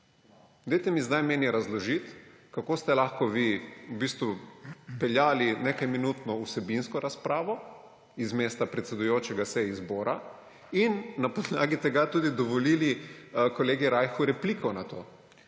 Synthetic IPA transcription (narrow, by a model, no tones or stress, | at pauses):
d̪ɛjt̪ɛmizd̪ajmeːnjɛɾazlɔʒit̪ | kakost̪ɛlaxkɔʋiubist̪ʋupɛljaːlinekajminut̪nɔusɛbinskɔɾaspɾaːʋɔ | izmeːst̪apɾɛt̪sɛd̪ujoːt͡ʃɛɡasɛizboːɾa | inːapɔd̪laːɡit̪ɛɡat̪uːd̪id̪ɔʋɔlilikɔleːɡiɾajxuɾɛpliːkʰɔnat̪oː